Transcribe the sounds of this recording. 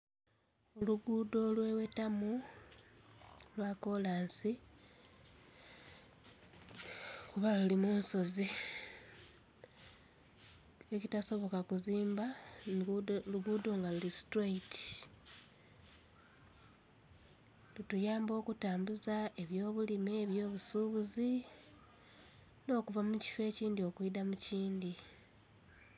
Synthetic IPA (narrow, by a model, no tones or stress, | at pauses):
oluɡuːdo̞lwe̞wetamu | lwako̞laːnsi | kuβalulimuːnso̞zi | ecitaso̞βo̞kakuziːmba | luɡudoːŋɡalulistɾeiti̥ | lutujaːmbo̞ːkutaːmbuzae̞βjo̞ːβulimeːβjo̞ːβusuβuzi | no̞ːkuvamuci̥fe̞ːciːndio̞kwidamuciːndi